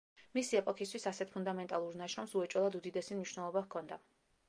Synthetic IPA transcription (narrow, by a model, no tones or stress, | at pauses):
misiɛpʼɔkʰist̪ʰwisasɛt̪ʰpʰund̪amɛnt̪ʼalˠuɾnaʃɾɔmsuɛt͡ʃʼwɛlˠad̪ud̪id̪ɛsimniʃwnɛlˠɔbakʰɔnd̪a